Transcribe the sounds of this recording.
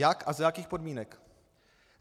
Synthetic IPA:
jakʔazajakiːxpo̞dmiːnɛk | z

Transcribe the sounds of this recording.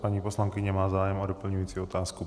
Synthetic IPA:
paɲiːpo̞slaŋkɪɲɛmaːzaːjɛmodopl̩ɲujiːt͡siːo̞t̪aːsku

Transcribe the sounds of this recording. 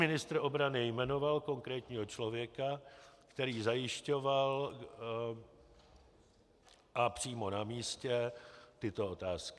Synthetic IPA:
mɪnɪst̪ɾʔo̞bɾanɪjmɛno̞valko̞ŋkɾɛːt̪ɲiːɦo̞t͡ʃlo̞vjɛkakt̪ɛɾiːzajɪʃco̞val | ʔapr̝̥iːmo̞namiːscɛt̪ɪt̪o̞ʔot̪aːskɪ̥

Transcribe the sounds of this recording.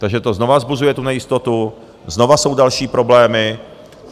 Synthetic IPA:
t̪aɡʒɛt̪o̞zno̞vazbuzujɛt̪unɛjɪst̪o̞t̪u | zno̞vaso̞wdalʃiːpɾo̞blɛːmɪ

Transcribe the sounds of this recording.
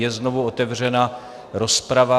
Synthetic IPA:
jɛznovuot̪ɛvr̝ɛna | ɾo̞spɾava

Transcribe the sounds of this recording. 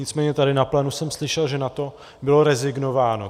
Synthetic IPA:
ɪt͡smɛːɲɛt̪adɪnaplɛːnusɛmslɪʃɛlʒɛnat̪o̞ | bɪlo̞ɾɛzɪɡno̞vaːno

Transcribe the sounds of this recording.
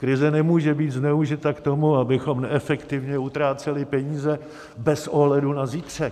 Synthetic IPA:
kɾɪzɛnɛmuːʒɛbiːt̪znɛuʒɪt̪akt̪o̞muabɪxo̞mnɛʔɛfɛkt̪ɪvɲɛut̪ɾaːt͡sɛlɪpɛɲiːzɛ | bɛsʔoɦlɛdunaziːt̪r̝̥ɛ

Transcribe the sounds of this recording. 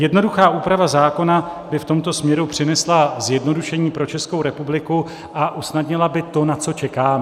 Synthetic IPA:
jɛdno̞duxaːʔuːpɾavazaːko̞nabɪft̪o̞mt̪o̞smɲɛɾupr̝̥ɪnɛslazjɛdno̞duʃɛɲiːpɾo̞t͡ʃɛskowɾɛpublɪku | ʔaʔusnadɲɪlabɪt̪o̞nat͡so̞t͡ʃɛkaːm

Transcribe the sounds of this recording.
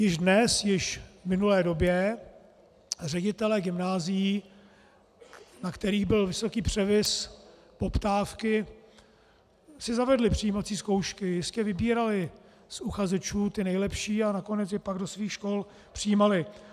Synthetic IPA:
jɪʒdnɛsjɪʃvmɪnulɛːdo̞bjɛ | rɛɟɪt̪ɛlɛɡɪmnaːzɪji | nakt̪ɛɾiːɣbɪlvɪso̞kiːpr̝̥ɛvɪs | po̞pt̪aːfkɪ | sɪzavɛdlɪpr̝̥ɪjiːmat͡siːsko̞wʃkɪjɪscɛvɪbiːɾalɪ | sʔuxazɛt͡ʃuːt̪ɪnɛjlɛpʃiːanako̞nɛt͡sjɛpaɡdosviːxʃko̞l | pr̥ɪjiːmalɪ

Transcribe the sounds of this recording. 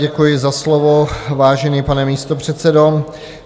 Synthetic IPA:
ɛkujɪzaslovo̞vaːʒɛniːpanɛmiːst̪o̞pr̝̥ɛt̪t͡sɛdo̞

